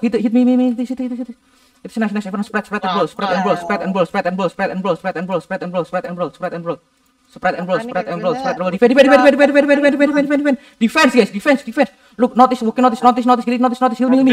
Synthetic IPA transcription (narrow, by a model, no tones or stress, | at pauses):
hit̪hit̪̚mimimiit̪sit̪it̪hit̪ | hit̪isnaʃənɛsɛfəɾə̃spɾɛt̪̚spɾɛt̪ɛ̃nbɹolspɾɛt̪ɛ̃nɹolspɾɛt̪ɛ̃nɹolspɾɛt̪ɛ̃nbɹolspɾɛtɛ̃nbɹolspɾɛt̪ɛ̃nɹolspɾɛt̪ɛ̃nbolspɾɛt̪ɛ̃nbɹolspɾɛt̪ɛ̃nbɹol | spɾɛt̪ɛ̃nɹolspɾɛt̪ɛ̃nɹolspɾɛt̪̚ɾoədifɛ̃difɛ̃ndifɛ̃ndifɛ̃ndifɛ̃ndifɛnifɛndifɛ̃ndifɛ̃ndifɛndifɛ̃ndifɛ̃n | difɛnsɡɛsdifɛ̃nsdifɛ̃ns | luk̚nɔt̪iswokĩŋnɔt̪isnɔt̪isnɔt̪isɡiĩŋnot̪isnɔt̪ishit̪mimi